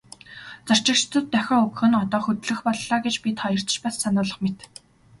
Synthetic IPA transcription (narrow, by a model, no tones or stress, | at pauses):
t͡sɔr̥t͡ɕɪ̆kt͡ɕʰt͡s̪ɵ̆t̪ːœxʲɔːɵkxɘ̆nɔt̪ɔːxɵt̪ɮɘ̆xpɔɮːaːɡet͡ɕpʲit̪ʰɔjə̆r̥t̪̆t͡ɕpassanʊːɮə̆χmet̪